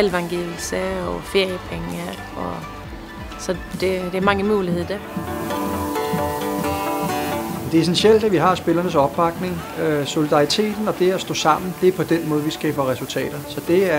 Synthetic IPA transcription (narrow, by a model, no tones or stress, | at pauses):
elʋɑ̈ŋɡ̥el̩sæɒfe̝ɐ̰jəpʰeŋə | ɒ | sɒd̥ed̥eæɐmɑ̈ŋəmuːlihe̝ð̰ˠd̥æ | end̥e̝es̬enɕel̰d̥æʋiɦɑ̈sb̥e̝lɐnəsɒ̽b̥ːɑ̈ɡ̥ne̝ŋøso̝lid̥ɑ̈it͡sʰe̝̰ːd̥n̩ɒ̽d̥e̝æsd̥ɔ̰̽ːsɑ̈m̰n̩d̥e̝æɐpʰɒ̽d̥enmɔ̽ːð̞̩ˠʋisɡ̥ɛ̰ːb̥ɐʁɛsult͡sʰɛ̰ːd̥ɐsɒ̽d̥e̝æɐ